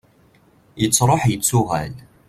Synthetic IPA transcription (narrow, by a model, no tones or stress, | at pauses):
jət͡sːɾˤoħjət͡sːʊʁæ̰l